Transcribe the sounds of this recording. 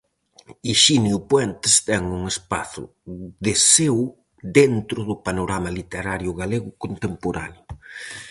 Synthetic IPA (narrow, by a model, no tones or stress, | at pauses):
iʃiniʊpwɛnt̪ɪst̪ɛŋuŋespa̰θʊ̰ | ðɪsew | ðent̪ɾʊðʊpanoɾamɐlit̪eɾaɾjʊɣaleɣʊkont̪empoɾa̰njʊ